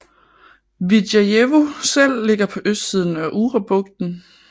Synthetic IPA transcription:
ʋidjæjeʋo̝sel̰ːe̝ɡ̥ɐpʰɒ̽ʔøsd̥sið̞ˠn̩æʔuʁɑb̥ɔ̽ɡ̥̚d̥n̩

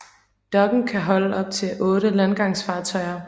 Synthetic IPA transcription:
d̥ɒ̽ɡ̥n̩kʰæɦɒ̽ləɒ̽b̥̚t͡sʰe̝ʔɔ̽ːɾəlænɡ̥ɑ̈ŋsfɑ̈ːt͡sʰɒ̽ɪɐ

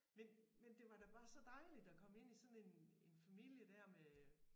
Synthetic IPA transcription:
menmend̥e̝ʋɑ̈ɾ̥æb̥ɑ̈ːsɒ̽d̥ɑ̈ɪlid̥ɒkʰɒ̽me̝n̰isɒ̽n̩e̝ne̝nfæmil̰jəd̥æɐ̰me

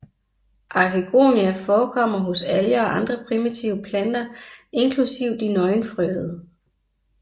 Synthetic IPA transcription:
ʔɑ̈kʰiɡ̥o̝̰ːniæfɒːkʰɒ̽m̰ɐɦosæləɒ̽ʔɑ̈nd̥ʁɐpʰʁimit͡sʰiʊəpʰlænd̥ɐʔe̝nkʰlusiʊ̰d̥inɒ̽ɪnfʁœð̩ˠ

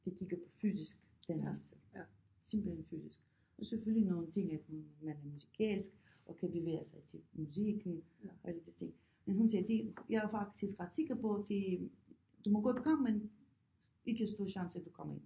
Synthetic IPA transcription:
d̪̥ikikəpʰɔfyzisk | d̪̥ɛnɛs | simpləɛnfysisk | ɔsɛfylinɔːnt̪ʰiŋɛt̪hunmɛnɛmuzikʰɛlsk | ɔkʰɛbiʋɛasajt̪ʰimuzikn̩ | ɔɛləd̪ɛst̪ḭŋ | mɛnɦuns̬id̪ijaafakt̪iskʁat̪sikəpɔt̪i | d̪̥umɔɡɔd̪ukʰɔmːɛn | ikəst̪uɾʃansɛd̪ukʰɔmḭn

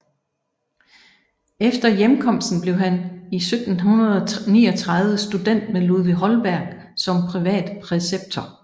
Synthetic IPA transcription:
efd̥ɐjemkʰɒ̽m̰sd̥n̩b̥le̝ʊɦænisød̥n̩ɦunɐð̞ˠɒnḭːɒt͡sʰʁɑ̈ðˠʋəsd̥ud̥en̰d̥meluðˠʋiɦɒ̽lb̥æɐ̰ɡ̥ | sɒ̽mpʰʁiʋɛ̰ːd̥pʰʁɛseb̥̚t͡sʰɒ

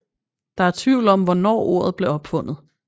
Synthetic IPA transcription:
d̥ɑ̈æɐt͡sʰʋiʊ̰lɒ̽mʋɒnɒ̰ːo̝ɐð̞̩ˠb̥le̝ɒ̽b̥fɔ̽n̰ð̩ˠ

